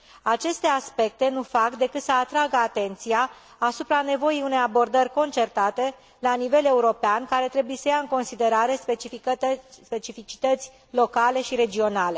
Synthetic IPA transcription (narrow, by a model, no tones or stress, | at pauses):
at͡ʃe̞st̪e̞aspe̞k̚t̪e̞nufakd̪e̞kɨt̪səat̪ɾaɡəat̪e̞nt̪sijaː | supɾane̞vo̞jijune̞jabo̞rd̪ərʲko̞nt͡ʃe̞rt̪at̪e̞ | lanive̞le̞uɾo̞peankaɾe̞t̪ɾe̞buje̞səjaɨŋko̞nsid̪e̞ɾaɾe̞e | pe̞t͡ʃifit͡ʃi̥t̪ət̪sʲ | lo̞kale̞ʃiɾe̞d͡ʒio̞nale̞